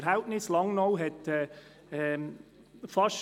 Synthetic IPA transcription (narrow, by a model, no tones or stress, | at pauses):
ɾɦhælp̚nɪslɑŋnɔʊɦɛtɛː | ɛ | fɑʃ